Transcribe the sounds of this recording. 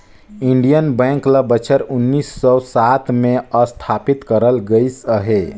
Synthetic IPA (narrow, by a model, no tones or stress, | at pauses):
iɳɖijənbɛ̃ŋkləbət͡ʃʰəɾunːisːɔsat̪ʰmeəst̪ʰapit̪kəɾəlɡəɪsəɦe